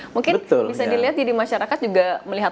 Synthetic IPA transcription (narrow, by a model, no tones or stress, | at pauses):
muŋkɪbənt̪ʊlbisadiliɦat̪̚d͡ʒadimaʃaɾakat̪̚d͡ʒuɡaməliɦat̪